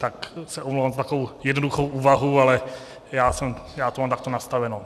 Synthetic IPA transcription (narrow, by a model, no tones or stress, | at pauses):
t̪aksɛʔomlowvamzat̪akoowjɛdnoduxowʔuːvaɦualɛ | jaːsɛmjaːt̪omaːmt̪ak̚t̪onast̪avɛno